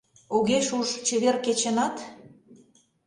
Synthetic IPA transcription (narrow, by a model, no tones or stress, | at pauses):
uɣeʃuʃt͡ɕeβerket͡ɕenɑt̪